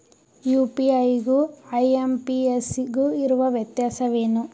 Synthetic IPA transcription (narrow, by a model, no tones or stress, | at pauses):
juːpiɐjɡuɐjempiesɡuiɾuʋɐʋjɐt̪jaːsɐʋeːnu